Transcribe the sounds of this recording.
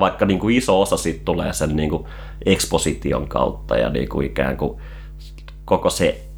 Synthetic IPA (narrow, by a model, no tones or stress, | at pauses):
ɑikːɑniːŋkuisoosɑsiːt̪t̪ulḛːsenniːŋku | ʔeksposit̪io̰ŋkɑ̰ut̪ːɑjɑ̰nḭːkuikæ̰ːŋku | kokose